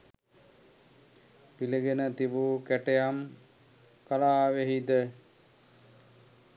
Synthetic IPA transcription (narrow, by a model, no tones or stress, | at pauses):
piliɡenət̪ibukæʈejam | kalaːʋeɦid̪ə